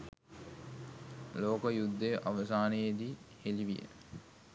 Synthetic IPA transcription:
loːkəjud̪ːəjʔaʋəsaːnəjed̪iːheliʋijə̰

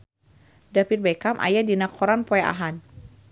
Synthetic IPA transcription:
dapir̚bakamʔa̰jadinakʰɔɾanpɔɛʔa̰ɦan

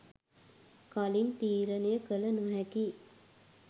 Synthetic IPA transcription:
kalint̪iːɾənejəkələnuɦɛki

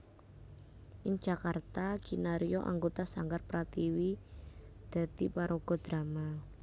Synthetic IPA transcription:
ʔɪŋ̥d͡ʒ̥a̤kart̪aɡ̥inaɾiɔʔa̰ŋɡot̪asaŋɡarpɾat̪iwi | d̪̥ä̤d̪ipaɾoɡ̥ɔ̤d̪̥ɾama

